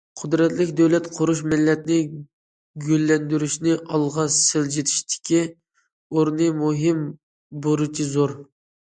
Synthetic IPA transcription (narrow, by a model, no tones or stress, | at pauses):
qʰʊd̪ɾɛt̪lɪkʲd̪ɛwlɛt̪qʰʊɾuʃmɪlːɛt̪nɪ | ɡʲølːɛnd̪yɾyʃnɪʔɑlˠʁɑsɪld͡ʒet̪ʰi̥ʃt̪ʰɪ̥kʲʰi | oɾnɨmuɦɪm | boɾut͡ʃʰizoɾ